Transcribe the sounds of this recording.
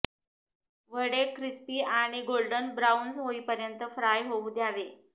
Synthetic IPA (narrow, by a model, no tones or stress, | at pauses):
ʋəɽekɾispiːaɽ̃iɡolɖənbɾaunsɦoiːpəɾjənt̪əfɾajɦoud̪jaʋe